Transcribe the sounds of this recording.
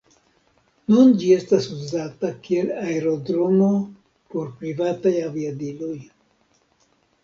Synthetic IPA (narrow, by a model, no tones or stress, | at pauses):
nund͡ʒie̞stasuzatakie̞laeɾo̞dɾomo̞ | po̞ɾpɾivatajaviadilo̞j